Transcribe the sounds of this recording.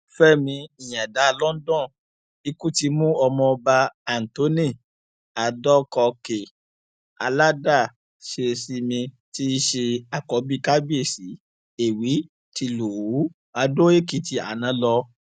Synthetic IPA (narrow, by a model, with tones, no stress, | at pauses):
fɛ˦mĩ˧i˨j̃ã˨da˨˦˧lɔ˦n̩˦dɔ̃˦˨ | i˧ku˦ti˧mũ˦ɔ˧mɔ̃˧ɔ˧ba˧a˨n̩˨to˨˦ni˦˨ | a˨dɔ˦kɔ˧ke˨ | a̰˧la˦da˦˨ | ʃe˨˧˨si˧˦mĩ˧ | ti˦ʃe˧a˨kɔ˨˦bi˦ka˦bi˦e˦˨si˨˦ | e˨wi˨˦ | ti˧lu˨u˨˦ | a˧do˦e˦ki˨ti˧a̰˨nã˨˦lɔ˧